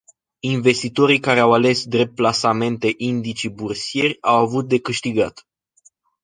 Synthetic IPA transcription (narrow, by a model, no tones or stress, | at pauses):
inve̞st̪it̪o̞ɾikaɾe̞awale̞sd̪ɾe̞p̚t̪̚plasame̞nt̪e̞ʔind̪it͡ʃibursije̞rʲawavut̪̚d̪e̞kɨʃt̪iɡat̪